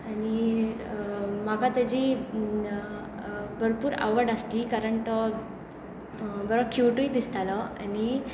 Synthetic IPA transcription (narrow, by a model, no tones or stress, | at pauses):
ani | makat̪ad͡ʑi | bʱəɾpuːɾa̰ʋəɾɖast̪ikaɾəɳt̪ə | bəɾəkʰuʈujd̪ist̪aləa̰ni